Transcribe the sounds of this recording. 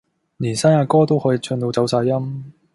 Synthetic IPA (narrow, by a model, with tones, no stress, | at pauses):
liː˨˩nsaː˥naː˧kɔː˥t̪o˥whɔː˨˧˥ji˨˩t͡ʃʰɵ˧nt̪o˧wt͡sɐ˨˥wsaː˧jɐ˥m